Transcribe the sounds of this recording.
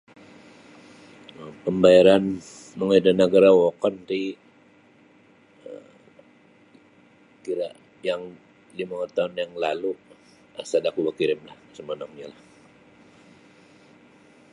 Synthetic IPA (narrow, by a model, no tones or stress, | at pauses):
əpəmbajaɾan | məŋədanəɡaɾawɔkɔnt̪i | ə | kiɾa | jaŋ | limawərt̪aʊnjaŋlalu | əsadakubakiɾɪmlahsəmənɔŋɲalah